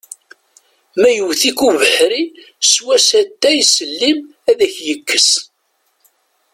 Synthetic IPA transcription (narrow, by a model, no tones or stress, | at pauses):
mæjəwθikuvəħɾi | swæsæt̪ːæjsəlːim | æðæçjəkːəs